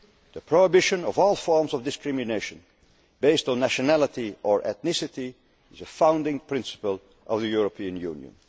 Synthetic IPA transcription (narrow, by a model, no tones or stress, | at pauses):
ðəpʰɹ̥oɪbɪʃɨ̃nʌvɔlˠfɔɹmzʌvdɨskɹɪmɨneɪʃɨ̃n | beɪstnːæʃənælˠətiʔəɹʔɛ̰θnɪsɨti | ɪzəfãʊ̃ndɪ̃ŋpʰɹ̥ɪ̃nsə̥pəlˠ | ʔʌvðɨjuɹəpʰiɨ̃njʉ̰̃ːnjə̰̃n